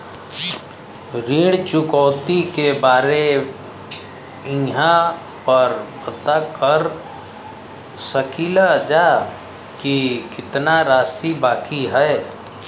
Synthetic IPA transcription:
ɾiːɽt͡ʃʊkɔːt̪ikebaːɾe | ĩːɦã | pəɾpət̪akəɾ | səkʰiːlad͡ʒaː | kikɪt̪naɾaːsibaːkiɦɛ

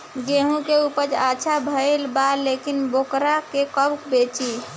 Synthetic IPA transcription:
ɡeɦũkeupəd͡ʒat͡ʃʰabʱəɪlbalekinbokɾakekəbkbet͡ʃi

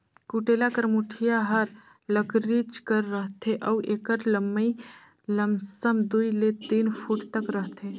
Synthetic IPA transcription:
kuʈeːlakəɾmuʈʰijaɦəɾ | ləkɾit͡ʃkəɾːəɦt̪ʰeʔɔuʔeːkəɾləmːəi | ləmsəmd̪uːilet̪iːnpʰuːʈt̪əkɾəɦt̪ʰe

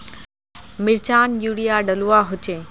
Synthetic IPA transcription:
mɪlt͡ɕaːnjuːɽijaɖɐluaɦʊt͡ɕeː

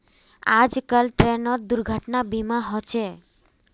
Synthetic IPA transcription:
a̰d͡ʒkalʈɾenɔɾd̪uɾɡʱəʈnabimaɦɔt͡ʃʰe

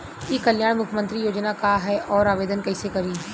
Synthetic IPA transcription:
jikɐljaːɽ̃mʊkʰjmə̃nt̪ɾijoːd͡ʒnakaɦɛʔɔːɾaːʋeːd̪ənkɛːsekɐɾiː

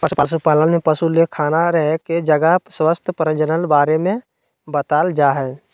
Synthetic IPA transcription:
pəsupasupaːlənmẽpəsulekʰaːnaɾəɦeked͡ʒəɡaswəst̪ʰəpəɾə̃d͡ʒənəlbaːɾemẽ | bət̪aːld͡ʒaɦɛː

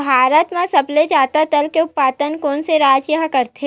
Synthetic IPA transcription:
bʱaːɾət̪mẽsɐbled͡ʒaːt̪at̪əlkeʊpːaːt̪ənkɔːnseɾaːd͡ʒjɐɦkɐɾt̪ʰe

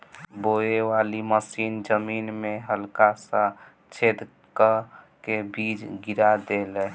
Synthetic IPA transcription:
boewaliməsind͡ʒəminmeɦəlkasə̃ | t͡ʃʰed̪ | kə | kebid͡ʒɡiɾad̪elɛ

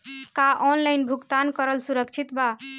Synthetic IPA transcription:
kaʔɔnlajnbʱuɡt̪ankəɾəlsuɾəkt͡ʃʰit̪ba

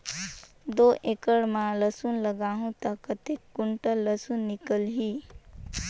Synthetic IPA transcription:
d̪oːʔekəɽmãləsunləɡaːɦũt̪ɐkːət̪ekːʊɳʈələsunːɪkəlɦiː

